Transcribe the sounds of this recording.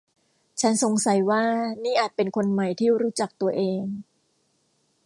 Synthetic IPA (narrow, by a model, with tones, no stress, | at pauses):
t͡ɕʰa˦˥nso˨˩˦ŋsa˨˩˦jwaː˥˩niː˥˩ʔaː˨˩t̪̚pe˧nkʰo˧nma˨˩jt̪ʰiː˥˩ɾuː˦˥t͡ɕa˨˩k̚t̪u˧ɐʔeː˧ŋ